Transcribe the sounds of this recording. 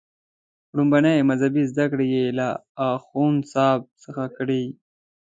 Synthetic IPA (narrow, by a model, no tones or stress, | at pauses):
ɽumbanajmazhabizd̪akɽejelaːxunsɑb̚səxakɽi